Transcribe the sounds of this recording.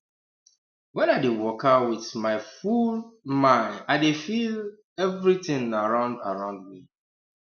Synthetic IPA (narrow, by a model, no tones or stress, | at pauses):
wɛnadewɔkawɪðmaɪfulmãɪ̃naɪdefil | ɛvɹiθɪ̃ŋaɹãʊ̃nda̰ɹãʊ̃nd̚mi